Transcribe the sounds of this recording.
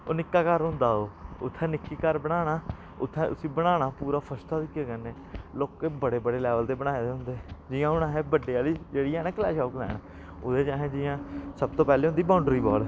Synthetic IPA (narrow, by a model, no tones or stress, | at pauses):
o̰ːnɪkːaːkəɾɦʊ̃nd̪aːɦoːʊt̪ʰːɛ̃ːnɪkːiːkəɾbəɽ̃aːɽaː | ʊt̪ʰːɛ̃ːʔʊsĩːbəɽ̃aːɽ̃aːpuːɾaːpʰəst̪aːd̪iːkeːkəneː | loːkeːbəɽeːbəɽeːlɛːʋəld̪eːbəɽ̃aːed̪eːɦʊ̃nd̪eːd͡ʒɪjãːʊnãːɦɛːbəɖeːaːliːd͡ʒeːɽiːɛːnɛ̃ːklɛːʃaːklɛ̰ːñ | oːd̪eːt͡ʃaːɦẽːd͡ʒɪjãːsəb̚t̪oːpɛːleːɦʊnd̪iːbãːʊɳɖɾiːbɔːl